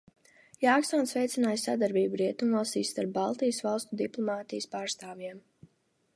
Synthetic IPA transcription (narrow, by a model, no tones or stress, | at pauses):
jaːkst̪aːnsvʲɛjt̪sʲɪnaːjsad̪aɾbiːbuɾiɛt̪umoɔsiːst̪aɾp̚balˠt̪ijsvalˠst̪ud̪iplˠɔmaːt̪ijspaːɾst̪aːviɛm